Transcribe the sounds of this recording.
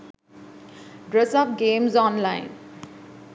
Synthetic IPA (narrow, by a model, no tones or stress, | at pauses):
ɖɾɛsɔːfɡẽːmzɔ̃ːnlãɪn